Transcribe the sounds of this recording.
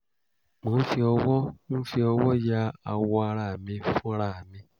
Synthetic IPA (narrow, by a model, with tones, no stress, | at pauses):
mõ˨˦fi˧ɔ˧wɔ˦mũ˦fi˧ɔ˧wɔ˦ja˧˦a˧wɔ˧a˧ɾa˦˨mĩ˧fũ˦ɾa˦˨mĩ˧